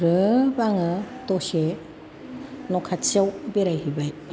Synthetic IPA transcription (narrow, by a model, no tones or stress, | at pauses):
ɾɯbaŋɯtɔse | nɔkʰatsiawbeɾajhibaj